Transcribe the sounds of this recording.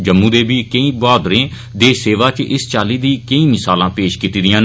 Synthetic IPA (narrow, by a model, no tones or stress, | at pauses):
d͡ʒəmːũːd̪eːbiːkəĩːbaːd̪ɾẽː | d̪eːseːʋaːt͡ʃʔɪst͡ʃaːliːd̪ĩːkəĩːmɪsaːlãːpeːʃkiːt̪iːd̪ɪjãːn